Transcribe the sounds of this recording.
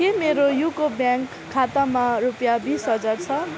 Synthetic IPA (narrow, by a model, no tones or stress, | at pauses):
kemeɾojukobjaŋkʰːat̪amarupjabisɦʌd͡zart͡sʰʌ